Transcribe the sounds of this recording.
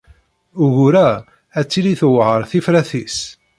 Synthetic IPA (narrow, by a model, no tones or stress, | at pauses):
ʊʝuɾæ | æt͡sːiliθwʕəɾˤθifɾæθis